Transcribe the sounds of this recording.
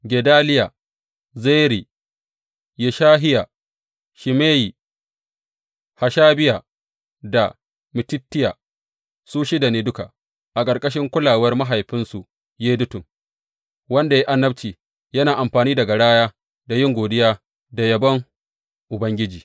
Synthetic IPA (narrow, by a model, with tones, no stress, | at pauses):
ɡʲe˨daː˦lɪ˦ja˨ | zeː˦ɾi˨ | je˨ʃaː˦ɦɪ˦ja˨ | ʃɪ˨meː˦ji˨ | ha˨ʃaː˦bɪ˦ja˨ | da˨ | mɪ˨tɪ˦tːɪ˦ja̰ː˨ | suː˦ʃɪ˦da˨neː˦dʊ˦ka̰˨ | ʔa˨kʼɐ˨ɾkʼɐ˦ʃ̬ɪ˦ŋkʷʊ˦laː˨wɐ˦rma˦ɦa˨jɸɪ˦nsu˨ʔ | jeː˦dʊ˦tʊ˨ŋ | wɐ˦nda˨ji˦ʔa˦nːɐ˦bt͡ʃiː˨ | jɐ˦naː˨ʔa˨mɸaː˨niː˦dɐ˨ɡa˨ɽaː˦jaː˦ | da˨jɪ˦ŋɡʷoː˨dɪ˦jaː˦ | da˨jɐ˨bɐ˦ŋ | ʔʊ˨bɐ˦ŋɡʲɪ˦d͡ʒiː˨